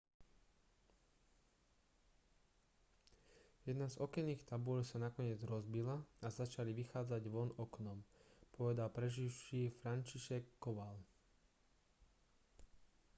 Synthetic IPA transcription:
jɛd̪nazɔkɛnːiːxt̪abuʎsanakɔɲɪɛd͡zɾɔzbilaazat͡ʃaliʋixaːd͡zaɟʋɔnɔknɔmpɔʋɛd̪alpɾɛʒiwʃiːfɾant͡ʃiʃɛkːɔʋal

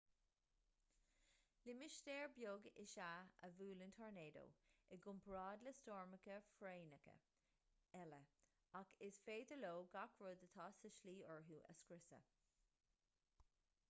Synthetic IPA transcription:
lɪmɪʃd̪eːɹbjoːɡɪʃaə̰vuːlənt̪ʰɔɹneːd̪o̰ːɪɡʊmpʰɹɑːd̪ləstɔːɹməkəfɾeːnəkə̰ | ɛlə | akʰɪsfeːdəloːɡakʰɹoːd̪ət̪ʰɑːsɪʃliːɔɹɦuːʔə̰skɾɪsə̰

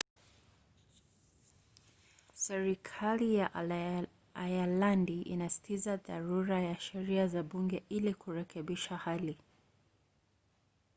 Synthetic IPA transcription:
sɛɾikʰalijaʔ | ajalandiʔḭnasi̥tʰizaða̰ɾuɾajaʃɛɾiazaɓuŋɡɛʔilikuɾɛkʰɛɓiʃahali

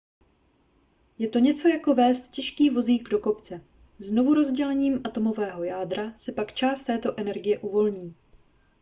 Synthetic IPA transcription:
jɛt̪o̞ɲɛt͡so̞jako̞vɛːst̪cɛʃkiːvo̞ziːɡdoko̞pt͡sɛ | zno̞vuɾo̞zɟɛlɛɲiːmʔat̪o̞mo̞vɛːɦo̞jaːdɾasɛpakt͡ʃaːst̪ɛːt̪o̞ʔɛnɛɾɡɪjɛʔuvo̞lɲiː

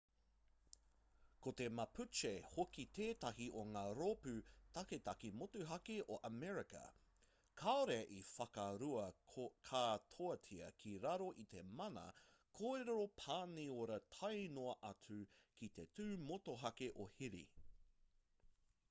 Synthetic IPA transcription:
kot̪e̞mɐpʉt͡ʃehokit̪eːtɐɦiʔoŋaːɾopʉtɐketɐkimotuɦɐkeʔoʔɐmɛɹikɐ̰ | kʰaoɾeɐʔifɐkɐɾuɐkʰaːtʰoɐtʰiɐkʰiɾaɾo̞ʔit̪e̞mɐnɐ̰ | kʰoeɾeɾopʰaːnioɾɐtʰɐjnoɐʔɐt͡sʉkit̪e̞tʉːmotoɦɐkeʔohiɾḭ

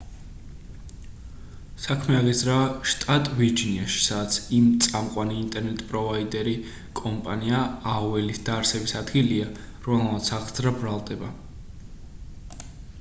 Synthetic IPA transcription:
sakʰmɛaʁizɾaʃt̪ʼat̪ʼviɾd͡ʒiniaʃi̥sad̪at̪sʰimt̪sʼamqʼwaniːnt̪ʼɛɾnɛt̪ʼpʼɾɔvaid̪ɛɾi | kʼɔmpʼaniaaɔvɛlisd̪̥aɾsɛbisad̪ɡilia | ɾɔmɛlmat̪sʰaʁd̪zɾabɾalˠd̪ɛba

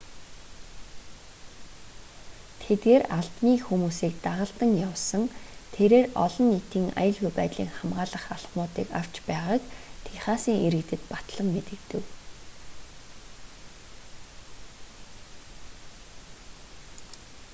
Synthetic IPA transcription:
t̪ʰet̪ɡeːɾaɮp̪niːxumuːsiːk̚t̪aʁə̆ɬt̪ə̆ŋjawsə̆ŋt̪ʰeɾeːrɔ̰ɮɞ̆nːit̪iːŋa̰jə̆ɮɣujpæːt̪ɮḭːŋχamʁaːɮə̆χaɮχmʊːt̪iːkaw̥t͡ɕpæːʁaːkt̪ʰeχaːsiːŋeɾɘ̆kt̪ɘ̆t̪pat̪ɮə̆mːet̪ɘ̆kt̪ɘ̆w

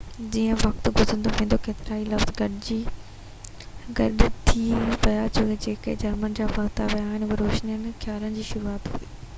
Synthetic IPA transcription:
d͡ʑiːə̃ʋɐkt̪ɡʱʊzə̃nd̪oʋẽːn̆d̪okeːt̪ɪɾaːilɐfzɡɐɗɪd͡ʑiː | ɡɐɗɪt̪ʰiʋɐjat͡ɕʰoed͡ʑeːked͡ʑɐɾmənɪd͡ʑaːʋɐɡt̪aʋijaːɦɪnɐɾoːʃnijənɪ̆xʰjaːlənɪd͡ʑiːʃʊɾuaːt̪ɦṵiː

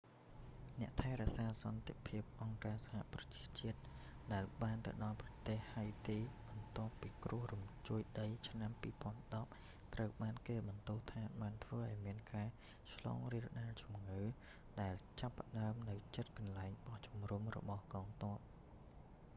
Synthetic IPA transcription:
nɛ̆əʔt̪ʰaɛɾɛ̆əʔsaːsɑnt̪epʰiəp̚ʔɑŋkaːsḁha̰ʔprɑt͡ɕi̥ət͡ɕiət̪̚ | ɗaɛlɓaːnt̪ɨwɗɑlprɑt̪eːhhaəjt̪iːɓɑnt̪ŏəpːiːkrʊəhrumt͡ɕuəjɗəjt͡ɕʰnampiːpŏənɗɑp̚ | t̪rəwɓaːnkeːɓɑnt̪uht̪ʰaːɓaːnt̪ʰʋəːʔaɔjmiənkaː | t͡ɕʰlɑ̰ːŋriəlɗaːlt͡ɕumŋɨː | ɗaɛlt͡ɕapːə̆ɗaəmnɨwt͡ɕət̪̚kɑnlaɛŋɓɑht͡ɕumrumrɔ̰ɓɑhkɑːŋt̪ŏəp̚

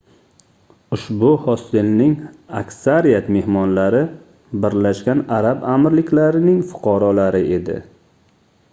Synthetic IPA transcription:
ʊʃbʊhɒsɪlnɪŋakʲsaɾijat̪me̞hmɒnlaɾɪ | bɪɾlaʃɡʲanaɾabamɾlɪkʲlaɾɪnɪŋfʊ̥qʰɑɾɒlaɾɪʔe̞d̪ɪ̰

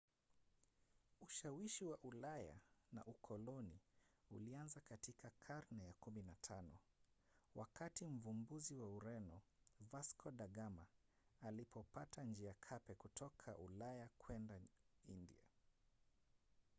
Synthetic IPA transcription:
uʃawiʃiwaʔulaja̰na̰ʔukʰɔlɔniṵlianzakatikʰakʰaɾnɛjakuminatʰanɔ | wʔakatim̩vumbuziwauɾɛnɔvaskʰɔɗaɠama | alipʰɔpatand͡ʒiakʰapɛkutʰɔkʰaʔulajakʰwɛndaindḭa

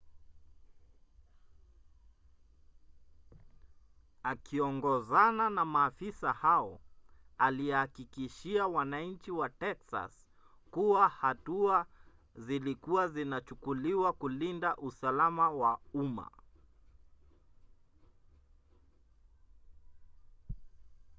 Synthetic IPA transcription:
akiɔŋɡɔzananamaːfisahaɔaliɛhakikiʃiawanaɲ̩t͡ʃiwatɛksa̰s | kuwahatua | zilikuazinat͡ʃukuliwakulindaʔusalamawauma̰

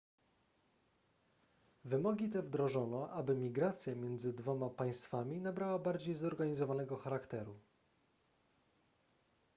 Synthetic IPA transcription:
vɘmɔɡʲit̪ɛvd̪ɾɔʐɔnɔʔabɘmʲiɡɾat̪sʲjamʲjɛnd̪zɘd̪vɔmapaj̃st̪famʲinabɾawabaɾd͡ʑejzɔɾɡaɲizɔvanɛɡɔxaɾakt̪ɛɾu

